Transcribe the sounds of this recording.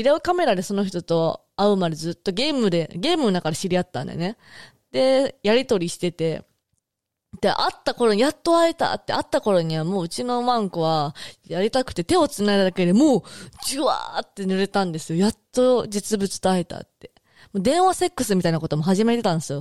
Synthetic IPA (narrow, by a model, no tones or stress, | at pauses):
iɾaɯ̟kame̞ɾad̪e̞so̞no̞çi̥t̪o̞t̪o̞ | aɯ̟mad̪e̞zɨːt̪ːo̞ɡʲe̞ːmɯ̟d̪e̞ɡʲe̞ːmɯ̟nonakaɾeɕiɾʲiat̪ːã̰nd̪e̞̰ne̞ | d̪̥e̞jaɾʲit̪o̞ɾʲiɕi̥t̪e̞t̪e̞ | d̪̥e̞ʔat̪ːako̞ɾoɲijat̪ːo̞aet̪a̰t̪ːe̞at̪ːako̞ɾo̞ɲ̟iβ̞amo̞ːɯ̟t͡ɕino̞mãŋkoβajaɾʲit̪akɯ̟̥t̪e̞t̪e̞o̞t͡sɨnaed̪ad̪ake̞d̪emo̞ːd͡ʑɨβa̰t̪ːe̞nɯɾet̪ãnd̪e̞sɨjo̞jat̪ːo̞d͡ʑɨt͡sɨbɯ̟t͡sɨ̥t̪oaet̪a̰t̪ːe̞ | moːd̪ẽ̞ɰ̃βase̞kːɯ̟sɨmʲit̪ainako̞t̪o̞moɦaʑimaɾit̪et̪ãnd̪esɨjo̞